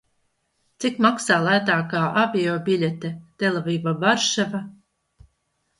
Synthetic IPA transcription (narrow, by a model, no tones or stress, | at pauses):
t̪sikmaksaːlˠajt̪aːkaːʔavʲiɔbʲilʲet̪ɛt̪elˠavʲiːvabaɾʃava